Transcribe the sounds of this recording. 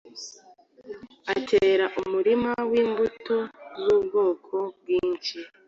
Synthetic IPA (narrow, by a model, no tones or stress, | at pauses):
atʰeːɾaʔumuɾimawiːmbutozuːb̚ɡo̞ːkʰo̞b̚ɡiːnʃi